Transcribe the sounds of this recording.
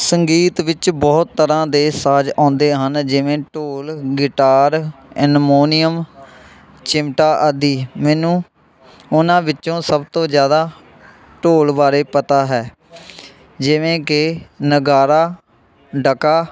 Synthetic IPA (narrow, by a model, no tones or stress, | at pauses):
səŋɡiːt̪ʋɪt͡ʃbɔːt̪ːəɾãːd̪eːsaːd͡ʒãːnd̪eːɦənd͡ʒɪʋẽːʈoːlɡɪʈaːɾɪnmoːnɪjəm | t͡ʃɪmʈaːʔəd̪iːmɛːnũː | ʊnãːʋɪt͡ʃːõːsəbt̪õːd͡ʒjaːd̪aː | ʈoːlbaːɾeːpət̪aːɦɛː | d͡ʒɪʋẽːkɪnəɡaːɾaː | ɖəkaː